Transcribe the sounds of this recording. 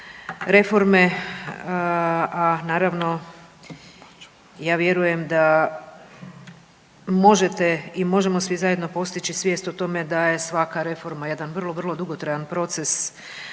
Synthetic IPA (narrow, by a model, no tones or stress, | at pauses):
ɾe̞fo̞ɾme̞ | anaːɾaʋno̞ | jaːʋje̞ɾuje̞md̪a | mo̞ʒe̞t̪e̞imo̞ʒe̞mo̞sʋizaje̞d̪no̞po̞st̪it͡ʃisʋjeːst̪ot̪o̞me̞d̪aje̞sʋakaɾe̞fo̞ɾmajed̪anʋr̩lˠo̞ʋr̩lˠo̞d̪uɡot̪ɾajanpɾo̞t̪se̞s